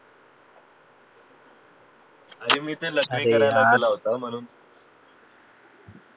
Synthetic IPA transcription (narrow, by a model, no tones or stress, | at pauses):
aɾiːmiːt̪ẽləkiːəɾajlaɡ̪elaɦot̪am̤əñuːn